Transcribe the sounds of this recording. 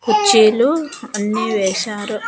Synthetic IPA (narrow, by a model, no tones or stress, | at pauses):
kut͡ʃːiːluɐnːiʋɛːʃaːɾu